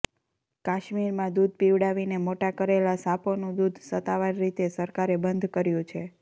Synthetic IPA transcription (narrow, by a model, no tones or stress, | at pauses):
kaʃmiɾmãd̪ud̪̚ʱpiʋɽaʋinemoʈakəɾelasaponũd̪ud̪ʱsət̪aʋaɾːit̪esəɾkaɾebənd̪ʱkəɾjũt͡ʃʰe